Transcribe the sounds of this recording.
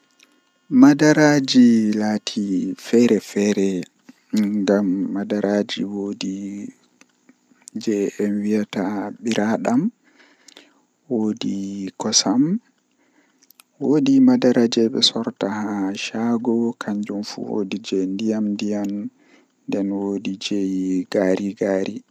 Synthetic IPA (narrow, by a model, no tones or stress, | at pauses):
madaɾad͡ʒilaːtʰifɛɾɛfɛɾɛ | ŋɡamːadaɾaːd͡ʒiwodi | d͡ʒɛɛmwijataɓiɾʔaɗam | woːdikɔsam | woːdimadaɾad͡ʒɛɓɛ̰sɔɾtahaʃaɡɔkʰaɲd͡ʒumfṵwo̰did͡ʒɛndijamndijam | dɛnwodid͡ʒejɡaɾʔiɡaːɾi